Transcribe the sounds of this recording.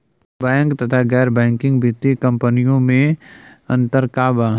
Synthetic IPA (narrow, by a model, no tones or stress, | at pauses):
bɛ̃ːŋkt̪ɐt̪ʰaɡɛːɾbɛ̃ːŋkɪ̃ŋɡbʱɪt̪ikə̃mpənijõmẽə̃nt̪əɾkaːba